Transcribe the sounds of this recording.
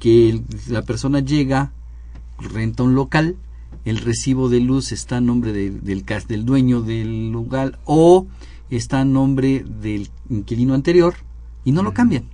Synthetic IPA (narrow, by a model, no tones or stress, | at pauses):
kelape̞ɾso̞naʝe̞ɣa | rent̪aunlo̞kal | elresiβo̞ðe̞lusest̪ano̞mbɾeðeðelkasd̪e̞ld̪we̞ɲo̞ðelːuɣalo | est̪anːõ̞mbɾe̞ðel | iŋkilinoant̪e̞ɾjo̞ɾ | ino̞lo̞kambjan